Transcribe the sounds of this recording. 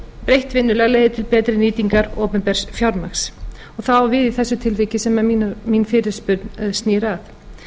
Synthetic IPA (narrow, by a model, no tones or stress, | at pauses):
pɾejht̪vɪnːʏlɛɣleːjðɪt̪ʰɪlpɛːt̪ɾɪniːt̪iŋkaɾoːpʏmpɛɾ̥sfjawɾmaxs | ɔɣθaavɪðiθɛsːʏt̪ʰɪlvɪcɪsɛmaminfɪɾɪɾ̥spʏɾt̪nst̪niːɾaθ